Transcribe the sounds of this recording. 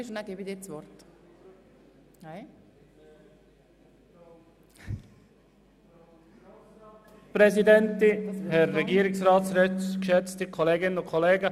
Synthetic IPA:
ʃʊnaɡeːbid̪iːt͡svɔɾt | naɪ | pɾɛzidɛntɪhɛɾːɛɡiːɾɪksrɑːtsʃɛkʃɛt͡stəkʰoleːɡɪnənʊkʰoleːɡə

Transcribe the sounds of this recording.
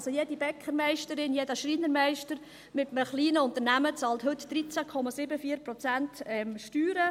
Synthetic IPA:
sojedibɛkχəɾmæɪʃtəɾɪnjɛdəʃɾiːnəɾmæɪʃtəɾ | mɪtəməχliːnəʊnt̪əɾnæmət͡sɑːlthɵt̪d̥ɾit͡sækʰɔmɑsɪbəfiːəɾpɾɔt͡sæntɛmʃtyːɾə

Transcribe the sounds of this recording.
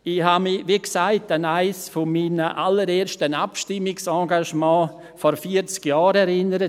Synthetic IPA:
ɪhamɪʋiksaɪtanaɪsfɔmiːnəʔaləɾeːɾʃtənapʃtɪmːɪksɑ̃ːɡaʃmɑ̃ː | fɔɾfiət͡skjɑːɾɛɾɪnəɾə

